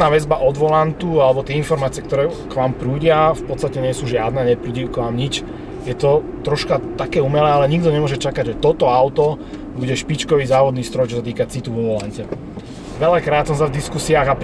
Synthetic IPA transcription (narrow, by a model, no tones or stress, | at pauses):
naːʋɛzbaʔɔd̪ʋɔlant̪ualɛbɔt̪ɪɛinfɔɾmaːt͡siɪɛkt̪ɔɾɛːkʋaːmpɾuːɟɪafpɔtt͡st̪acɛɲɪɛsuːʒɪad̪nɛːɲɛpɾuːɟiukʋaːmɲit͡ʃ | jɛt̪ɔt̪ɾɔʃkat̪akɛːumɛlɛːalɛɲiɡd̪ɔɲɛmʊɔʒɛt͡ʃakaɟʒɛt̪ɔt̪ɔaʊt̪ɔ | buɟɛʃpit͡ʃkɔʋiːzaːʋɔd̪niːst̪ɾɔjt͡ʃɔsat̪iːkat͡sit̪uʋuʋɔlaɲcɛ | ʋɛlakɾaːt̪sɔmsavd̪iskusiaːɣap